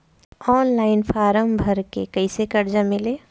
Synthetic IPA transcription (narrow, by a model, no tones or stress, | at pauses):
ɔːnlaːɪnpʰaːɾəmbʱɐɾkekɐɪsekɐɾd͡ʒamɪleː